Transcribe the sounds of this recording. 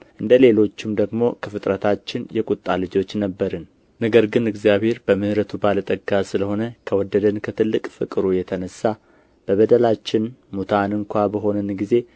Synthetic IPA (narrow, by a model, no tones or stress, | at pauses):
ʔɨnd̪əle̞lo̞t͡ʃːɪmd̪əɡmo̞kʰəfɨt̪ʼɾət̪ʰat͡ʃːɪnjɛkʼut̪ʼːalɨd͡ʒo̞t͡ʃːnəbːəɾɨn | nəɡəɾɡɨnɨɡzijaβhe̞ɾbəmɨhɾət̪ʰubalət̪ʼəɡasɨləho̞nəkʰəwɔd̪ːəd̪ənkʰət̪ʰɨlːɨkʼfɨ̰kʼɨɾujɛt̪ʰənəsːa | b̥əβəd̪əlat͡ʃːɪnmut̪ʰanɨŋkʷabəɦo̞nɨnɡize̞